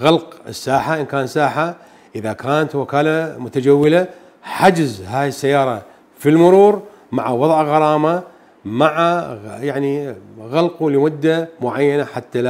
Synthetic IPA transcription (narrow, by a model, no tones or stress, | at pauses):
ɣalqɪ̰sːaːħaʔɪnkaːnsaːħa | ʔɪðakaːnat̪wɪkaːlamʊt̪ad͡ʒawːɪla | ħad͡ʒɪzɦaːjɪsːajːɑːɾˤɑ | filmʊɾuːɾ | maʕawɑðˤʕɣɑɾˤɑːma | maʕajaʕniɣalqulɪmʊd̪ːamʊʕajːanaħat̪ːala